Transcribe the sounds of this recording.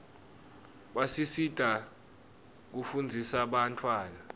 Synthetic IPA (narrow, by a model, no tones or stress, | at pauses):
ɓasisid̥ʱa | k̬ufund͡zʱisaɓantʰʼwaːna